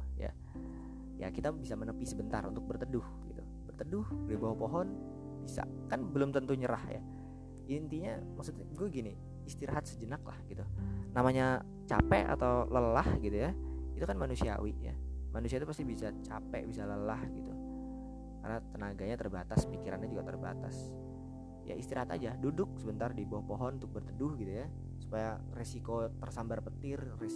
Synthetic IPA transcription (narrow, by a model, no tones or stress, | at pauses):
ja̰ | ja̰kit̪abisamənəpisəbənt̪a̰runt̪ʊk̚bərt̪ədʊhɡit̪u | bərt̪ədʊhbəlɛbaɦopoɦɔn | b̥isa̰ | kanbəlʊmt̪ənt̪uɲəɾahja̰ | int̪iɲamaksut̪ɡuaɡini | ist̪iɾaɦat̪̚səd͡ʒənakla̰hɡit̪unamaɲa | t͡ʃapɛʔa̰t̪awləlahɡit̪ujait̪ukanmanusia̰wɪʔja̰manusiait̪upast̪ibisat͡ʃapɛ̰ʔbisaləlahɡit̪u | karnat̪ənaɡaɲat̪ərbat̪aspikiɾa̰nɲad͡ʒuɡat̪ərba̰t̪as | ja̰ist̪iɾaɦat̪a̰d͡ʒadudʊk̚səbənt̪ardibaahpoɦɔnunt̪ʊk̚bərt̪ədʊhɡit̪uja | su̥paja | resikot̪ərsambarpət̪ɪr | re